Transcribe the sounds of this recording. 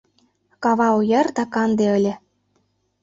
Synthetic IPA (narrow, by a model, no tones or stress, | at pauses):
kɑβɑujɤ̆rd̪ɑkɑnd̪eɤ̆lʲɘ̆